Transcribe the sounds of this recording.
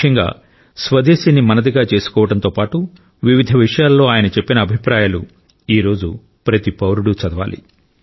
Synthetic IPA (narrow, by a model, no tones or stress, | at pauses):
ɐŋɡa̰ː | sʋɐd̪eːsinːimɐnɐd̪iɡaːt͡ʃe̞ːsu̥kɔːʋɐʈɐnt̪o̞ːpaːʈu | ʋiʋid̪ʱɐʋiʂɐjaːlːo̞ːaːjɐnɐt͡ʃepːinɐːbʱipɾaːjaːlu | iːɾo̞ːd͡ʒu | pɾɐt̪ipɐwɾuɽut͡ʃɐd̪ɐʋa̰ːlḭ